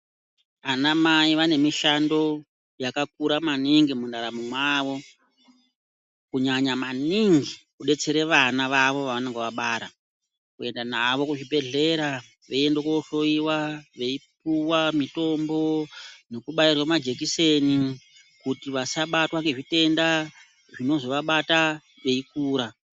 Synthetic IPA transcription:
anamaiʋane̞miʃando̞ | jakak̚uɾamaniŋɡimundaɾamumwaːʋo̞ | kuɲaɲamaniŋɡikuɗe̞t͡se̞ɾe̞ʋanaʋaʋo̞ʋaʋaneŋɡeʋaɓaɾa | kue̞ndanaʋo̞kuʐibʱe̞ɮe̞ɾa | ʋeiendekwooɬo̞iwaʋe̞ip̚uwamito̞mbo̞no̞kuɓairwamad͡ʒe̞kise̞ni | kutiʋasaɓatwaŋɡeʐite̞nda | ʐino̞zo̞ʋaɓata | ʋe̞ikuːɾa

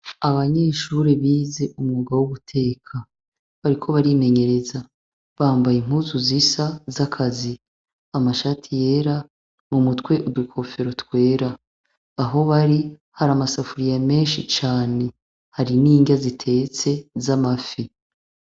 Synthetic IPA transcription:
aβaɲe̞ːʃuɾe̞βiːze̞ʔumŋuːɡawuβutʰe̞ːkʰa | βaɾikʰo̞βaɾime̞ɲe̞ɾe̞za | βaːmbajim̥huzuzisazakʰazi | amaʃatʰije̞ːɾa | mumutkwe̞ʔudukʰo̞fe̞ɾo̞twe̞ːɾaː | ɦo̞βaɾi | haɾamasafuɾijame̞ːnʃit͡ʃaːne̞ | haɾiniːɲɟazitʰe̞ːt͡se̞zamafi

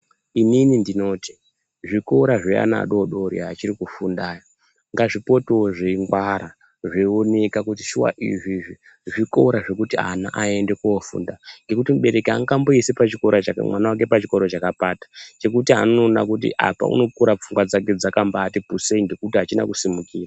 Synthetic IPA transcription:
ininindino̞ːti̥ | ʐiko̞ɾaʐea̰na̰ɗo̞ɗoɾḭat͡ʃiɾikufundaːja | ŋɡaʐipo̞toʐeŋɡwaɾa | ʐeonekakutiʃuwa̰ʔḭʐiʐi | ʐiko̞ɾaʐe̞kutiana̰ʔae̞nde̞kuofṵndaŋɡe̞kutimuɓe̞ɾe̞ka̰ŋɡamboisepat͡ʃiko̞ɾat͡ʃamwanawak̬e̞pat͡ʃiko̞ɾot͡ʃakapatḁt͡ʃe̞kutia̰nono̞ːna̰kutḭʔa̰pa̰ṵno̞kuɾap͡fuŋɡwad͡zake̞d͡zakambaːtipuseiŋɡe̞kutiɦat͡ʃina̰kusimukiːra

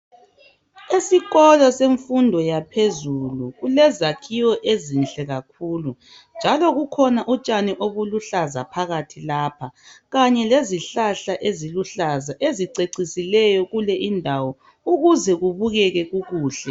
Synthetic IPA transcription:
isiɣɔlɔseɱfundʱɔjapʰezuluɣulɛzakʰiwɔʔezinɬʼɛɣakʰuːlu | nd͡ʒʱalɔɣukʰɔnaʔut͡ʃʼaniʔoβuluɬaza̰pʰaɣatʰilaːpʰaɣaɲɛleziɬaɬaʔeziluɬazaʔeziǀeǀisilɛjɔɣulɛʔindʱawɔ | uɣuzɛɣuβuɣɛɣɛɣuɣuːɬɛ

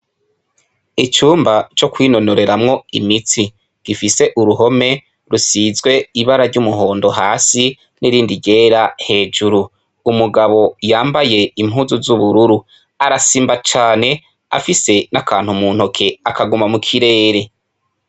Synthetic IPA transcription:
it͡ʃuːmbat͡ʃo̞kwiːno̞no̞ɾe̞ɾamŋo̞imiti | ɡ̥ifise̞ʔuɾuɦo̞me̞ | ɾusizɡwe̞iβaɾaɾɟumuɦo̞ːndo̞ɦaːsi | niɾiːndiɟe̞ːɾahe̞ːd͡ʒuɾuː | muɡaβo̞jaːmbaje̞im̥ɦuːzuzuβuɾuɾu | aɾasiːmbat͡ʃaːne̞ | a̰fise̞nakʰaːnhumuːn̥hokʰe̞akaɡumamukʰiɾe̞ːɾe̞

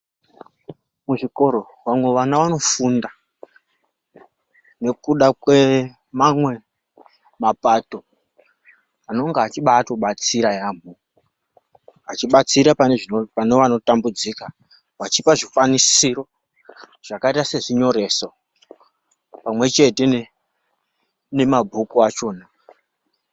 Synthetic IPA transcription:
muʐiko̞ɾo̞ | wamweʋanaʋano̞funda | ne̞kuɗakwe | mamwe̞ | mapato̞ | ano̞ŋɡaat͡ʃiɓaːtoɓat͡siɾajaːmu | at͡ʃiɓat͡siɾapaneʐinopaneʋano̞tambud͡zika | wat͡ʃipaʐifwanisiro̞ | ʐ̥akaitase̞ʐiɲo̞ɾe̞so | pamwe̞t͡ʃe̞te̞ | ne̞mabʱukuat͡ʃo̞ːna

